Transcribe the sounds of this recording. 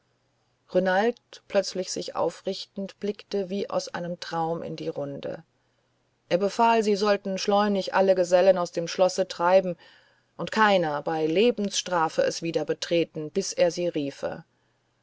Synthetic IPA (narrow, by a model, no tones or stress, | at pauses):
ʁonaltpʰl̥œt͡slɪçz̥ɪçʔa̰ʊfʁɪçtn̩tb̥lɪktəviːʔa̰ʊsʔa̰ɪnəmtʁ̥aʊmʔɪ̰ndiːʁʊndə̰ | ʔeːɐbəfaːlziːzɔltn̩ʃlɔʏnɪçʔa̰ləɡəzɛlənaʊsd̥eːmʃlɔsətʁ̥aɪbm̩ | ʔʊntkʰaɪnɐbaɪleːbm̩sʃtʁ̥aːfəʔɛsv̥iːdɐbətʁ̥eːtn̩b̥ɪsʔeːɐziːʁiːfə̰